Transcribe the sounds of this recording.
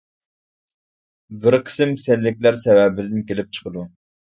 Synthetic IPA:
bɪɾqʰə̥sɪmsɛlːɪk̚ʲlæɾsɛwɛbɪd̪ɪnkʲelɪp̚t͡ʃʰə̥qəd̪u

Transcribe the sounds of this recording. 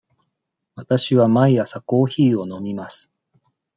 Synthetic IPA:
βat̪aɕiβamaijasako̞ːçiːo̞no̞mʲimasɨ̥

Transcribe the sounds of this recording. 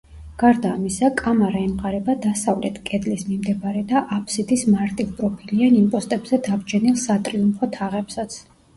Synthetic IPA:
ɡ̥aɾd̪aːmisakʼamaɾaɛmqʼaɾɛbad̪asavlɛt̪ʰkʼɛd̪lismimd̪ɛbaɾɛd̪aʔapʰsid̪ismaɾt̪ʼivpʼɾɔpʰilianimpʼɔst̪ʼɛbzɛd̪abd͡ʒʰɛnilˠsat̪ʼɾiumpʰɔt̪ʰaʁɛpsat̪sʰ

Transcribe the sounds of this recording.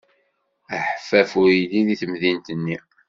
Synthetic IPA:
əħfæfuiliðiθəmðint̪ənːi

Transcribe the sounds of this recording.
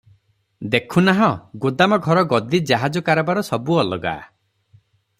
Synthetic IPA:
d̪ekʰunaɦɔ̃ɡod̪amɔɡʱɔɾɔɡɔd̪id͡ʒaɦad͡ʒɔkaɾɔbaɾɔsɔbuɔlɔɡa̰

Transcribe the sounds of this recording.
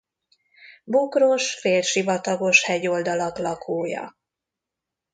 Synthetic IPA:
bukro̞ʃfeːlʃivɒt̪ɒɡo̞ʃhɛɟo̞ld̪ɒlɒklɒkʰoːjɒ̰

